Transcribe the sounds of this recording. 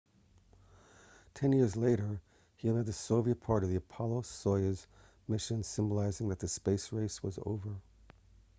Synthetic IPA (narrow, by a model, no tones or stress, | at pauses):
tʰɛ̃njɪɹzleɪɾə˞ | iɨɨd̪̚ðɨsoʊviɨt̚pʰɑɹɾʌvðiɨpʰɑlˠoʊsɔɪɨz | mɪʃɨ̃nsɪ̃mbəlaɪzɪ̃ŋðɨt̪̚ðɨspeɪsɹeɪswʌzo̰ʊvə˞